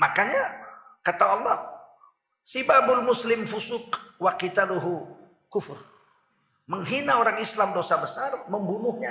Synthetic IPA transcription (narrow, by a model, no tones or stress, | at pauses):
makaɲa | kat̪aɑlˠːɔh | sibabʊlmʊslɪmfusʊkwakit̪aduɦu | kʊfʊr | məŋɦinaoɾaŋislamdosabəsarməmbunʊhɲa